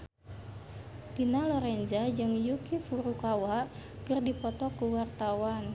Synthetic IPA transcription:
t̪inalɔɾɛɲd͡ʒad͡ʒɨŋjukifuɾukawaʔkərdipɔt̪ɔkuwart̪awan

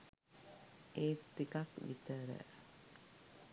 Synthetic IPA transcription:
eːt̪ːikakʋḭt̪əɾə̰

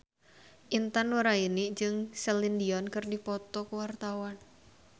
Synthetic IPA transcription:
ʔint̪anwəɾainid͡ʒɨŋsɛlindiɔnkɨrdipɔt̪ɔkəwart̪awan

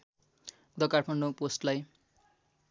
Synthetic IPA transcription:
d̪ʌkarpʰʌnːoposʈlaj

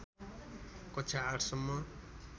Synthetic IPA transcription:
kʌt͡ʃʰaaʈʰsʌmːʌ

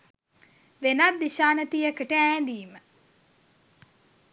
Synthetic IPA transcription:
ʋenad̪ːiʃaːnət̪ijəkəʈəæːd̪iːmə

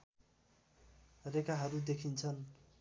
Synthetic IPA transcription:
rekaɦʌɾud̪ekʰint͡sʰʌn

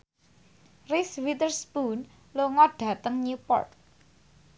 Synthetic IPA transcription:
riswit̪ərsbun | loŋɔɖ̥ä̤t̪əŋɲupɔ̰rt̪̚

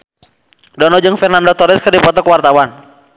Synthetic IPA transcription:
dɔnɔd͡ʒɨŋfɛrnandɔt̪ɔɾɛskɨrdipɔt̪ɔkwart̪awan

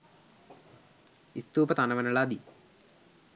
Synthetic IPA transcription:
ist̪uːpɐt̪anɐʋɐnɐɭaːd̪i

